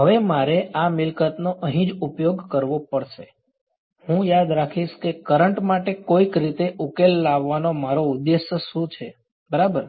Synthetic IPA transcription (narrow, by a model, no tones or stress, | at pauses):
ɦəʋemaɾeʔamɪlkət̪noʔəɦĩd͡ʒupjoɡkəɾʋopəɽʃe | hũjad̪ɾakʰiʃkekəɾəɳʈmaʈekoikɾit̪eʔukelːaʋːanomaɾoud̪ːeʃjəʃũt͡ʃʰe | bəɾabəɾ